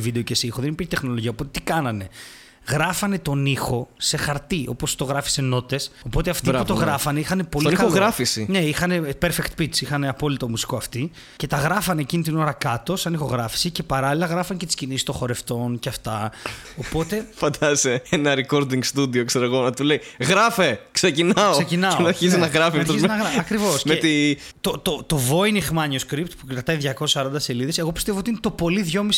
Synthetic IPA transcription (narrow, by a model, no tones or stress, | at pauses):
vid̪eocesixoðenipiɾçet̪exno̞lo̞ʝiɐopot̪et̪i̥kɐnɐne̞ | ɣɾɐfɐne̞t̪o̞nixo̞se̞xɐɾt̪iʔopost̪o̞ɣɾɐfi̥se̞no̞t̪eso̞po̞t̪eɐft̪iput̪oɣɾɐfɐneixɐne̞po̞lnikoɣɾɐfisine̞ixɐne̞peɾfekt̪̚pit͡sixɐne̞ɐpo̞lit̪omusi̥koɐft̪i | ce̞t̪ɐɣɾɐfɐne̞ːcinit̪̬ino̞ɾɐkɐt̪o̞sɐnixo̞ɣɾɐfi̥sice̞pɐɾɐlilɐɣɾɐfɐnecet̪iscinisist̪õ̞xo̞ɾe̞ft̪o̞nceɐft̪ɐo̞po̞t̪e̞fɐnd̪ɐseenɐɾeko̞ɾd̪iŋɡst̪ud̪iokseɾeɣo̞nɐt̪uleiɣɾɐfe̞kse̞cinɐossecinɐonɐɾçisiznɐɣɾɐfiɐɐt̪ozmnɐɣɾɐɐkɾivosmeet̪i | t̪ot̪ot̪o̞vo̞inixmɐɲioskɾip̚t̪pukɾɐt̪ɐiðʝɐko̞sesɐɾɐnd̪ɐse̞liðe̞se̞ɣo̞pist̪e̞voot̪iinet̪o̞po̞liðʝo̞mis